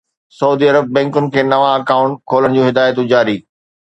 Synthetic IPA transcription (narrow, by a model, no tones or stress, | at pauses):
sɐuːd̪iːɐɾəbːɛ̃ːŋkʊnɪ̆kʰeːnɐʋãɐkaːʊ̃ɳʈ̚kʰoːləɽ̃d͡ʑĩːɦɪd̪aːjət̪ʊd͡ʑaːɾiː